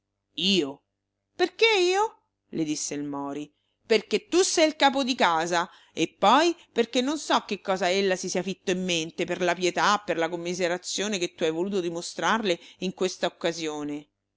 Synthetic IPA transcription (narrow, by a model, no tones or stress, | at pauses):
iːo | perkeiːo | led̪isːeilmɔːɾi | perket̪ːusɛjilkaːpod̪ikaːza | epːɔjperkenːonsɔkːekːɔːzaelːasisiafit̪ːoimːent̪eperlapjɛt̪apːerlakomːizeɾat̪sːjoːneket̪ːuajvoluːt̪od̪imost̪ɾarleiŋkwest̪aokːazjoːne